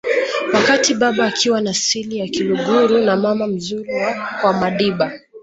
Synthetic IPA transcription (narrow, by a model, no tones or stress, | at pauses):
wakatiɓaɓaːkʰiwanasilijakiluɡuɾunamamam̩zuɾiwakwamaɗiɓa